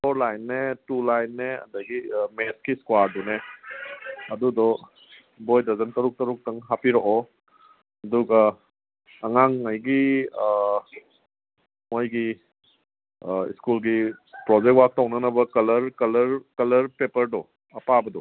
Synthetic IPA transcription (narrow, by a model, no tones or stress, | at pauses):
ɔɾlajnːetulajnːeɐ̰dɐɡimeskiskwaɾdune | ɐdudɔ | bojdɐzɐntɐɾuk̚tɐɾuk̚tɐŋɦapiɾɔʔɔ | ɐduɡaː | ŋaŋajɡi | mojɡi | ḭskulɡipɾɔd͡ʒek̚twak̚tɔwnɐnɐbɐkɐlɐɾkɐlɐɾkɐlɐɾpepɐɾdɔ | ɐpabɐdɔ